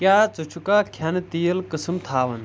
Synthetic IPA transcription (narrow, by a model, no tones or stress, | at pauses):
kjaːt͡sut͡ʃʰukaːkʰɐnt̪ijəlkɨsɨmt̪ʰaːʋɐn